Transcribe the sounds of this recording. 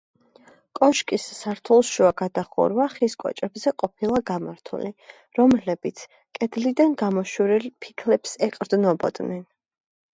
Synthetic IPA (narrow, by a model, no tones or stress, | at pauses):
kʼɔʃkʼisːaɾt̪ʰulˠʃuaɡad̪aχɔ̰ɾvaχiskʼɔ̰t͡ʃʼɛbzɛqʼɔpʰilˠaɡamaɾt̪ʰṵli | ɾɔmlɛbit̪sʰ | kʼɛd̪lid̪anɡamɔʃuɾilpʰi̥kʰlɛpsɛqʼɾd̪nɔbɔ̰d̪nɛn